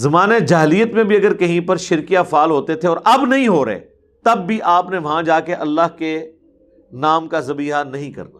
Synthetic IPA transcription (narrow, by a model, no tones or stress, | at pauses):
zɐmaːned͡ʒaːɦliːət̪mẽbʱiɐɡəɾkɐɦĩpɐɾʃɪɾkijafaːlɦoːt̪et̪ʰeɔːɾʔɐbnɐɦĩɦoːɾɐ̰ḛː | t̪ɐbːiʔaːpneʋɐɦãd͡ʒaːkeʔɐlːaɦke | naːmkazɐbiːɦanɐɦĩkɐ̰ɾna̰ː